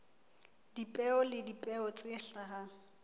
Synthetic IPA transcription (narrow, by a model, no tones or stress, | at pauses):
d̥ipʼɛɔlɪdipʼɛɔt͡sʼɪɬaɦa